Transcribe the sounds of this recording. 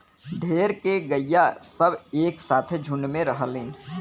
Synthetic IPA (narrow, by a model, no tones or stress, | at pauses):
ɖ̪ʱeːɾkeɡəjasəbeːksaːt̪ʰed͡ʒʱʊɳɖmẽɾəɦəleːn